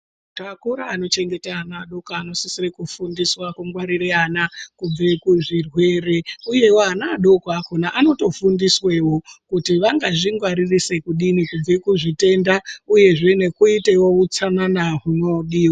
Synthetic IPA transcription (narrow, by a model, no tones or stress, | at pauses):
takuɾaːno̞t͡ʃe̞ŋɡe̞teanaːɗo̞kaano̞sisirekufundiswakuŋɡwaɾiɾeanakub͡ve̞kuʐirwe̞ːre̞uje̞woanaɗo̞koakonaʔano̞to̞fundiswe̞wo̞kutiʋaŋɡaʐiŋɡwaɾirise̞kuɗinikub͡ve̞kuʐite̞ndauje̞ʐe̞ne̞kuite̞wout͡sananaɦuno̞ɗiːwa